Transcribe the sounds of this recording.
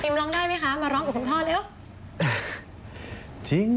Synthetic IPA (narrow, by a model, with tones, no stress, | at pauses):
pʰi˧mlɔː˧˥ŋdaː˥˩jma˦˥jkʰa˦˥maː˧ɾɔ˦˥ŋk̚ːkʰu˧nt̪ʰɔː˥˩t̪̚lɛː˦˥w | t͡ɕʰi˦˥ŋ